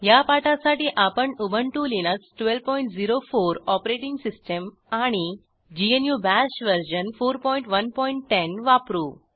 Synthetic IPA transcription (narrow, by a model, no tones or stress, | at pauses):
japaʈasaʈiːʔapəɳubʱəɳʈulinəsʈʋelʋpɔiɳʈd͡ziɾofoɾɔpɾeʈiŋɡsisʈəm | aɽ̃i | d͡ʑienjubæɕʋəɾɕənfoɾpɔjɳʈʋənpɔiɳʈːenʋapɾuː